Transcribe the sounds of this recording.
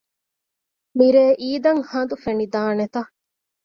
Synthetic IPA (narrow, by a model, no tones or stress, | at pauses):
miɾeːʔiːd̪ɐŋhɐnd̪ufenid̪aːnet̪ɐ